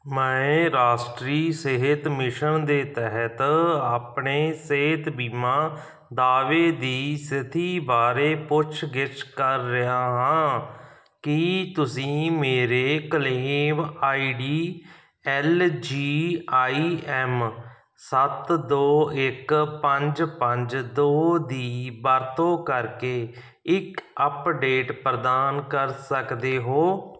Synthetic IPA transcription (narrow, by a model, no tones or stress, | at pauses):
mɛ̃ːɾaːsʈɾiːseɦɪt̪mɪʃəɳd̪eːt̪ɛɦət̪aːpɳeːseːɦt̪biːmãː | d̪aːʋeːd̪iːsɪt̪ʰiːbaːɾeːpʊt͡ʃʰɡɪt͡ʃkəɾːɪɦaːɦãː | kɪt̪ʊsĩːmeːɾeːkəleːmaːiːɖiː | ɛːld͡ʒiːaːiːɛːm | sət̪d̪oːɪkpəɲd͡ʒpəɲd͡ʒd̪oːd̪iːbaːɾt̪õːkəɾkeː | ɪkəpɖeːʈpɾəd̪aːnkəɾsəkd̪eːɦoː